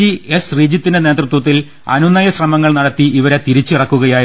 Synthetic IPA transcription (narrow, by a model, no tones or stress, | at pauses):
iesriːd͡ʑjɐt̪ːindene̞ːd̪rɨt̪wɐt̪ːil | ɐ̰nunɐjɐɕrɐmɐŋːɐɭnɐɽɐt̪ːiiʋɐɾe̞t̪iɾit͡ɕːɨirɐkːuɣɐjaːj